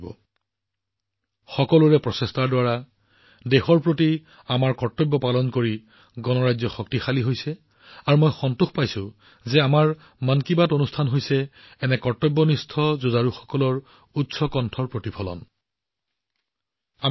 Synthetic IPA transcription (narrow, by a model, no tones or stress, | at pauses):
bɔ̰ | xɔkɔlʊɹɛpɹɔsestaɹdwaɹa | dexɔɹpɹoti | amaɹkɔɹtɔbːɔpalɔnkoɹi | ɡɔnɔɹajzɔxɔk̚tixaliɦojsɛ | aɹumojxɔntuxpajsʊ̃ | zɛamaɹ | mankibatonustʰanɦojsɛ | ɛnɛkɔɹtɔbːɔnistʰɔzuzaɹuxɔ̥kɔlɔɹ | utsɔkɔntʰɔɹpɹotipʰɔlɔ̰n | a